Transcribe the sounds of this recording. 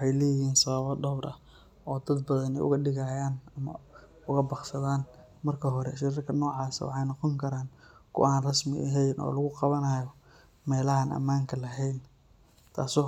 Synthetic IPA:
ʊħɑjlɛːjɪɦiːnsɐβɐβɐdɔbɾɐ | ɔːd̪ɐd̪bɐðɐnɛ̰jʔʊ̰ɣɐɗɪɣajaːnɐmɐ̰ | ʊɣɐbɑqsɐðaːn | mɐrkʰɐɦɔɾɛ̰ʃɪɾɪrkʰɐnɔːʕɑːsɐ̰wɑ̰ħɑjnɔqɔŋkʰɐɾaːnkʰʊ̰ʔaːnrɐsmɪʔɦɛjnʔɔ̰ːlɐɣʊqɑβɐnɐjɔ | mɛːlɐɦanʔɐ̰maːŋkʰɐlɐɦɛjn | t̪ʰa̰ːsɔː

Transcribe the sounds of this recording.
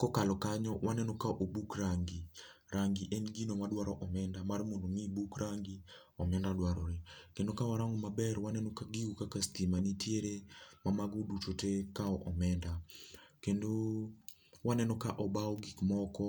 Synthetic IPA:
kɔkalɔkaɲɔwanɛnɔkaʔobukraŋɡi | ɾaŋɡiʔenɡinomadwaɾɔʔɔmɛndamarmondomibukraŋɡi | ɔmɛndadwaɾɔɾekendokawaɾaŋɡmabɛrwanɛnɔkaɡiukakastimanitjeɾemamaɡodut͡ʃotekaɔʔɔmɛndakendo | wanɛnɔkaʔɔbaɔɡikmɔkɔ

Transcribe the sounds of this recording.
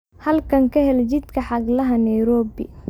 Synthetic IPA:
hɐlkʰɐŋkʰɐɦɛlt͡ʃɪd̪kʰɐħɑɡlɐɦɐnɐjɾɔːbɪ̰

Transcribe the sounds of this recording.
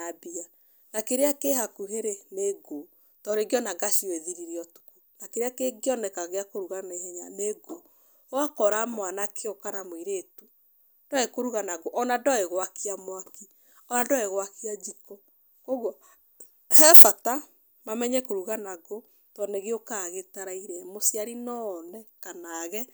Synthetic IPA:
abia | nakeɾeakehakuɦeɾeneɡo | tɔɾeɡjɔnaɡaʃioeðiɾiɾiɔtu̥ku̥nakeɾeakeɡjɔnɛkaɣeakoɾuɣaneɦɛɲaneɡo | oakɔɾamwanakʰeokanamwiɾetu | d̥aekoɾuɣanaɡoʔɔnadɔeɣwakiamwaki | ɔnadɔeɣwakiad͡ʒikɔ | koɣwɔ | hɛfata | mamɛɲɛkoɾuɣanaɣo | tɔneɣeokaɣetaɾaiɾɛmosiaɾinɔnɛkanaɣɛ

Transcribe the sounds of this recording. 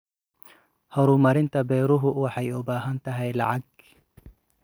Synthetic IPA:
hɔɾʊmɐɾɪnt̪ʰɐbɛːɾʊɦʊwɑħɑjʊbaːɦɐnt̪ʰɐɦɛjlɑ̰ʕɑɡ

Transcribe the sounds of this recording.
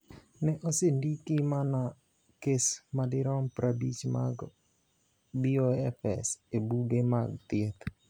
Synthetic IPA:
nɛʔosendikimana | kesmadɪɾɔmpɾabit͡ʃma̰ɡ | bioɛfɛ̰sebuɡemaɡ̚t̪ɪet̪

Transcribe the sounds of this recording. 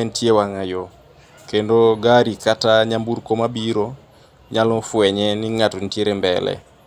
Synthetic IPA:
ɛntjewaŋajo | kendoɡaɾikataɲambuɾkomabiɾo | ɲalɔfwɛɲɛniŋatɔnitjeɾembɛlɛ̰

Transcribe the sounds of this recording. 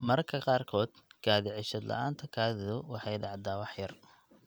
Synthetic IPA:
mɐɾkʰɐqɑːrkʰɔːd̪̥ɡ̥aːðɪʕɪʃɐd̪lʔɐ̰ʔaːnt̪ʰɐkʰaːðɪðʊwɑħɑjɖɑʕd̪aːwɑħjɐr

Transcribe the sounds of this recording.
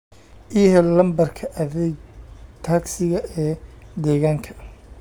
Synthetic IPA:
ʔihɛlɐmbɐrkʰɐʔɐðɛːɡt̪ʰaːɡsɪɣɐɛːd̪ɛːɣaːŋkʰɐ̥

